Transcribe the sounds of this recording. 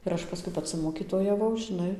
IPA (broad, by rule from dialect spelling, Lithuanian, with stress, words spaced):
ɪr ˈɐʃ pɐˈskʊɪ pɐˈt͡sʲɪ moːkʲiːtoːjɛˈʋɐʊ ʒʲɪˈnɐɪ